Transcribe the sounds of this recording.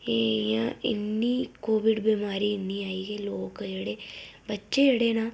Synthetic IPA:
eːjã̰ːɪ̰nːiːkoːʋɪɖbiːmaːɾiːɪnːiːaːiːɡeːloːkd͡ʒeːɽeːbətːʃeːd͡ʒeːɽeːnaː

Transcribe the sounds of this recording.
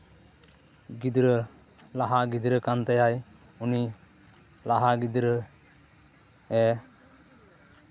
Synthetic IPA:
ɡid̪ɾə | laɦaɡid̪ɾəkant̪ɛjaj | uni | laɦaɡid̪ɾə | ɛ

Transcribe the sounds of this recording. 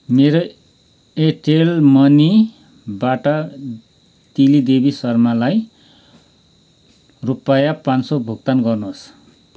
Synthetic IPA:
meɾo | eʈelmʌni | baʈʌ | t̪ilid̪ebisʌrmalaj | rupajapansobʱuɡt̪anɡʌrnuɦos

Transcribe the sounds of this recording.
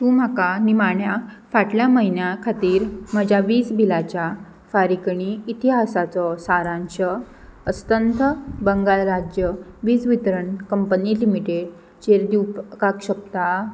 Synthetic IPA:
t̪ũːm̤akanimaɳjafaʈljaməɦinjakʰat̪iːɾməd͡ʑaʋiːt͡sbʱilat͡ɕja | faɾikɳiːt̪iɦasat͡sɔsaɾãnɕə | əst̪ənt̪ʰəbəŋɡalɾad͡ʑjəʋiːt͡sʋit̪ɾəɳkəmpənilimiʈeɽ | t͡ɕeɾd̪iwpkakɕək̚t̪a

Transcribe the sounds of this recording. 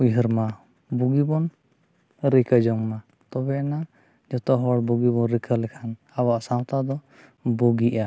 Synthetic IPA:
uɦəɾma | buɡibɔn | ɾikəd͡ʒɔŋma | t̪ɔbɛna | d͡ʒɔt̪ɔɦɔɽbuɡibɔnɾikʰəlɛkʰan | abaʔsãwt̪ad̪ɔ | buɡiʔa

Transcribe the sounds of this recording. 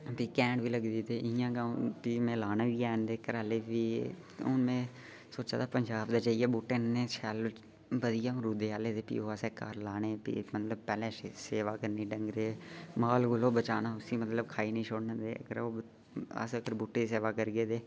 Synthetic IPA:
piːkɛ̃ːɳɖbʱiːləɡd̪iːt̪eːɪjãːɡãːpiːmẽːlaːnaːbiːaːnd̪eːkəɾaːleːbiː | ʊnmẽː | soːt͡ʃaːt̪aːpənd͡ʒaːbd̪aːt͡ʃaːieːbuːʈːeẽːt͡ʃʰɛːlo | ʋəd̪ɪjãːɾuːd̪eːaːleːd̪eːpḭːoaseːkaːɾlaːneːpḭːmət̪ləb̚pɛːlẽeseːʋaːkəɾniːɖə̃ŋɡɾeːmaːlɡʊloːbət͡ʃaːnaːʊsiːmət̪ləbkʰaːinĩːt͡ʃʰoːɽnãd̪ḛːə̰ɡəɾoː | ə̰səɡəɾbuːʈːeːseːʋaːkəɾɡeːd̪eː

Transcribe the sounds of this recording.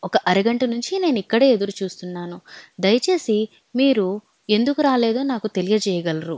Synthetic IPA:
ɔkɐʔɐɾiɡɐɳʈɐnuɲt͡ʃine̞ːnuikːɐɽe̞ːed̪uɾut͡ʃuːst̪unːaːnud̪ɐjɐt͡ʃe̞ːsi | miːɾu | e̞nd̪ukuɾaːle̞ːd̪o̞ːnaːkut̪e̞lijɐd͡ʒɛːjɐɡɐlɐɾu

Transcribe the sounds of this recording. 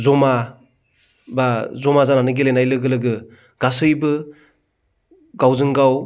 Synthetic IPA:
zɔma | bazɔmazananɯɡilenajlɯɡɯlɯɡɯ | ɡasɯjbɯ | ɡawzɯŋɡaw

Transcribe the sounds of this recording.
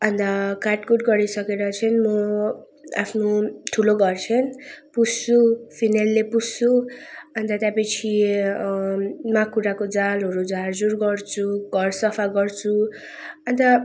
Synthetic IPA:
ʌnt̪akaʈkuʈ̚ɡʌɾisʌkeɾʌt͡sʰʌnmʌ | a̰pʰnoʈʰuloɡʱʌrt͡sʰʌnpust͡supʰinalːepussuʌnt̪ʌt̪japʌt͡sʰi | mãkuɾakod͡zalɦʌɾud͡zard͡zurɡʌrt͡sʰuɡʱʌrsʌpʰaɡʌrt͡sʰu | ʌnt̪ʌ

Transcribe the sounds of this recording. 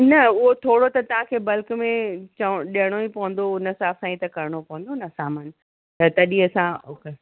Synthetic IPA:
nɐʊɦot̪ʰoːɽot̪ɐt̪ɐʋ̤ãkʰeːbɐlkmẽt͡ɕɐɗiəɽ̃oipɐʋə̃n̆d̪oʊnəsaːsãit̪ɐkɐɾɪɽ̃opɐʋ̃n̆d̪onɐsaːmaːn | t̪ɐt̪ɐɗiɐsãoke

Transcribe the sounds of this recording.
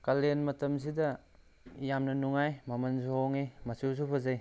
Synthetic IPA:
kalenmɐtɐms̬idɐ | jamnɐnuŋajmɐmɐnsoɦoŋimɐsusupʰɐzaj

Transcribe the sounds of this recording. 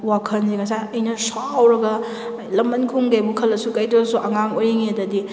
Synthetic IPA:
wakʰɐnzikʰɐsajɐjnɐsawɾɐɡɐ | lɐmbɐnkʰuŋɡajbukʰɐlːɐsukɐjtisuʔɐŋaŋojiŋiɐdɐdi

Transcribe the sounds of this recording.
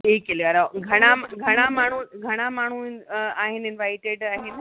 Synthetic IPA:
eːkelaɾaɡʱɐɽ̃amɡʱɐɽ̃amaːɳ̤uɡʱɐɽ̃amaːɳ̤̃uaːɦɪnɪnʋaːɪʈeɖaːɦɪn

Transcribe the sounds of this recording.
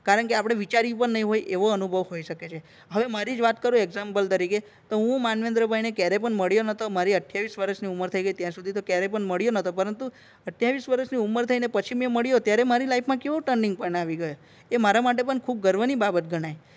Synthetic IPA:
kaɾəɳkeapɽ̃eʋit͡ʃaɾipəɳnəɦĩɦojʔeʋoənubʱəʋɦoiʃəket͡ʃʰe | ɦəʋemaɾid͡ʒʋat̪kəɾũeɡzampəlt̪əɾike | t̪oɦũmanʋend̪ɾəbʱajnekjaɾep̬əɳməɭijonət̪omaɾiəʈʰjaʋisʋəɾəʃniuməɾt̪ʰəiɡəijt̪jãɾsud̪ʱit̪okjaɾepəɳməɭijonət̪ʰopəɾənt̪u | əʈʰjaʋisʋəɾəʃniumːəɾt̪ʰəinepət͡ʃʰimeməɭjot̪jaɾemaɾilaipʰmãkeʋoʈəɳɖiŋɡ̚pənaʋiɡəjo | emaɾamaʈ̬epəɳkʰub̚ɡəɾʋənibabət̪̚ɡʱəɽ̃aj

